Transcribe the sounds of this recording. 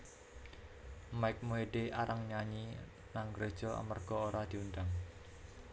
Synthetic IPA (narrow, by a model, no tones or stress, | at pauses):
maɪk̚moɦeɖeaɾʔaŋɲaɲi | naŋɡɾed̥ʒ̥ɔa̰mərɡ̥ɔoɾad̪̥i̤und̪aŋ